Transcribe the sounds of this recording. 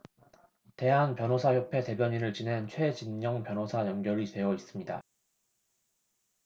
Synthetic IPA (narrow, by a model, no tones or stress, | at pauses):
te̞ɦanpjʌnɦosʰaçjopʰe̞te̞bjʌɲinɯɭt͡ɕinɦe̞nt͡ɕʰwe̞t͡ɕinɲʌŋpjʌnɦosʰajʌŋɡjʌɾitwe̞ʌis͈ɯmɲida̰